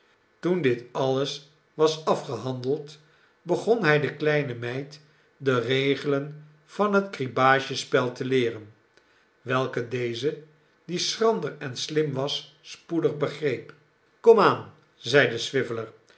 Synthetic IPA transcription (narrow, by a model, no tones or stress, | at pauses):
tundɪtɑləs | ʋɑsɑfχəɦɑndəlˠt | bəχɔnɦɛjdəklɛjnəmɛjt | dərejχələn | v̥ɑnɦətkribaːʒəspɛlˠtəlɪːrən | ʋɛlˠkədejzə | disrɑndəɹɛnslɪmʋɑsː | pudəχbəχrejp | kɔmaːn | zɛjdəsʋɪvələɹ